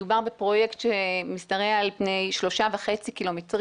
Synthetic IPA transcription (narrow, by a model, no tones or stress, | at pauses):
ubaʁbepʁo̞jektʃemistaʁealpnejʃlo̞ʃavaχet͡sikilo̞metʁ